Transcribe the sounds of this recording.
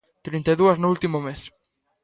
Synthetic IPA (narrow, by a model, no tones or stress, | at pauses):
t̪ɾint̪eðuɐznʊult̪imomes